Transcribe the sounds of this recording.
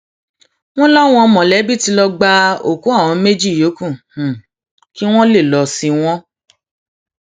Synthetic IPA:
w̃ɔ̃˦la˦w̃ɔ̃˧mɔ̃˨lɛ˨˦bi˦˨ti˧lɔ˧ɡ͡ba˧o˨kũ˨˦a˦˨w̃ɔ̃˨˧˦me˦d͡ʒi˦˨jo˨˦kũ˦˨ | ki˦w̃ɔ̃˦le˦˨lɔ˧si˧w̃ɔ̃˦

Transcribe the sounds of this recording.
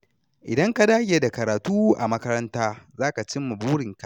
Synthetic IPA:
ʔɪ˨dɐ˦ŋka˨daː˦ɡʲeː˨da˨kɐ˨ɾaː˨tuː˦ʔa̰˨mɐ˦kɐ˦ɾɐ˦ntaː˦zaː˦ka˨t͡ʃɪ˦mːu˨buː˦ɽɪ˨ŋka˨

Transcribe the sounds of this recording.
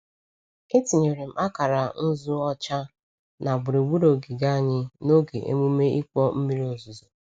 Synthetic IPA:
e˦ti˨ɲe˨ɾe˨m̩˨ʔa˦ka˨ɾa˨n̩˦zu˦ɔ˦t͡ʃa˦ | na˨bʊ˨ɾi˨ɡ͡bu˦ɾo˨ɡɪ˨ɡa˦a˨ɲɪ˦no˦ɡḛ˨ʔḛ˦mu˦me˦i˦k͡pɔ˦m̩˦mi˦ɾi˦o˨zu˨zu˨

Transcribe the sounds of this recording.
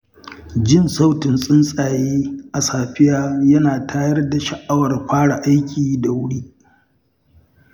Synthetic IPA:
d͡ʒɪ˦nsa˦wtɪ˨nsʼɪ˦nsʼaː˨jeː˦ʔa˨saː˨ɸɪ˦jaː˦jɐ˦naː˨tʰaː˦jɐ˦rda˨ʃa˨ʔa˦wɐ˨rɸaː˦ɽa˨ʔa˦jkʲiː˨da˨wʊ˦ɽiː˦

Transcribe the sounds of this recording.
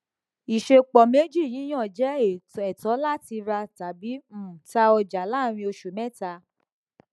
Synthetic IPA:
i˨ʃe˧k͡pɔ˨me˦d͡ʒi˦˨j̃ĩ˨˦j̃ɔ̃˦˨d͡ʒɛ˨˦e˨ɛ˨tɔ˨˦la˦˨ti˧ɾa˧ta˨bi˨˦m̩˦˨ta˧ɔ˧d͡ʒa˨la˦˨ɾ̃ĩ˧o˧ʃu˨mɛ̃˦˨ta˧

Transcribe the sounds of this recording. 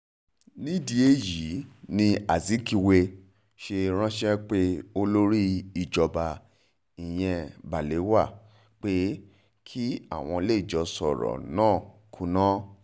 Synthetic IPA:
nĩ˦di˧e˦˨ji˨˦nĩ˧a˨zi˨˦ki˧we˧ | ʃe˧ɾ̃ã˦ʃɛ˦k͡pe˦o˧lo˦ɾi˦i˨d͡ʒɔ˨ba˧ | i˨j̃ɛ̃˧ba˨le˨˦wa˦˨ | k͡pe˦ | kʰi˦a̰˦˨w̃ɔ̃˧le˦i˦˨d͡ʒɔ˨˧sɔ̰˨ɾɔ̰˨nãː˦˨ | kʰũ˧˦nã˦

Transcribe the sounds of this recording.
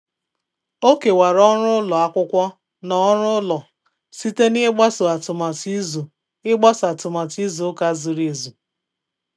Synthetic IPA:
o˦ke˨wa˨ɾɔ˦ɾʊ˦lɔ˨a˦kʷʊ˦kʷɔ˦ | nɔ˦ɾʊ˦lɔ˨ | si˦te˦nɪ˦ɡ͡ba˦sʊ˨a˨tʊ˨ma˨ti˦zu˨ | ɪ˦ɡ͡ba˦sʊ˨a˨tʊ˨ma˨ti˦zu˨˦ka˦zʊ˨ɾe˨zu˨

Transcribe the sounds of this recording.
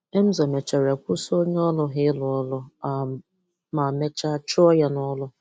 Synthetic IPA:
e˦m̩˦zɔ˨me˨t͡ʃa˨ɾa˨kʷʊ˦so˦ɲe˦ɔ˦lʊ˦ɦɪ˦lʊ˨ɔ˦lʊ˦a˨ | ma˨me˦t͡ʃa˦a˦t͡ʃʊ˦ɔ˦ja˦nɔ˦lʊ˦

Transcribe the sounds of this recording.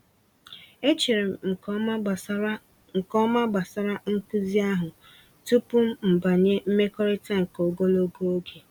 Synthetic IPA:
e˦t͡ʃi˨ɾe˨m̩˨˦˨ | ŋ̩˨kɔ˦ma˦ba˨sa˦ɾa˦ŋ̩˦ku˦zi˦a˦ɦʊ˨ | tu˦pʊ˦m̩˦m̩˨ba˨ɲe˦m̩˦me˦kɔ˦ɾɪ˦ta˦ŋ̩˨ko˨ɡo˦lo˦ɡo˦o˦ɡe˨

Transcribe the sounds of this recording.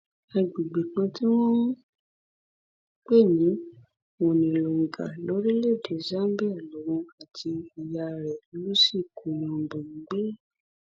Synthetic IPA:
a˨ɡ͡be˨ɡ͡be˨kã˧ti˦w̃ɔ̃˦ | k͡pe˦˨nĩ˨˦ | wõ˨nĩ˨lo˨ŋ̩˨ɡa̰˨lo˨˦ɾi˦le˦˨de˨za˦bi˦a˦˨lo˨˦ɾ̃ũ˧a˨tʰi˧i˨ja˧˨ɾɛ˨˦lu˦si˦˨kʰo˨w̃ã˧˨ɡ͡bõ˨ŋ̩˨˦ɡ͡be˦

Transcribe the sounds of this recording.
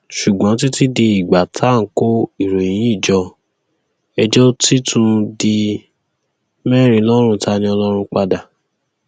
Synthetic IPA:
ʃu˨ɡ͡bɔ̃˨˦t̬i˦ti˦de˧i˨ɡ͡ba˨tʰa˨˦˨ŋ̩˨˦ko˦i˦˨ɾõ˨ĩ˨˦i˦˨d͡ʒɔ˧ | ɛ˧d͡ʒɔ˦ti˦tʰũ˧di˧ | mɛ˦˨ɾ̃ĩ˧lɔ˦ɾ̃ũ˧tʰa˧˦nĩ˧˦ɔ˧lɔ˦ɾ̃ũ˧k͡pa˧da˨

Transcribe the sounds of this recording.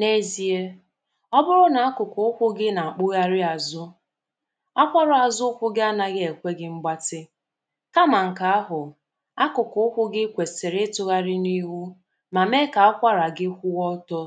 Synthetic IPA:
ne˦zi˦e˦ | ɔ˦bʊ˦ɾʊ˦na˨a˦kʊ˨kʊ˨ʊ˦kʷʊ˦ɡɪ˦na˨a˨k͡pʊ˦ɣa˦ɾɪ˦a˨zʊ˦ | a˦kʷa˦ɾʊ˨a˨zʊ˦kʷʊ˦ɡɪ˦a˦na˦ɣɪ˦e˨kʷe˦ɡɪ˦ŋ͡m̩˦ɡ͡ba˦tɪ˦ | ka˦ma˨ŋ̩˨ka˨a˦ɦʊ˨ | a˦kʊ˨kʊ˦ʊ˦kʷʊ˦ɡɪ˦kʷe˨sɪ˨ɾɪ˦tʊ˦ɣa˦ɾɪ˦ni˦ɦu˦ | ma˨me˦ka˨a˦kʷa˦ɾa˨ɡɪ˦kʷʊ˦wɔ˦tɔ˦

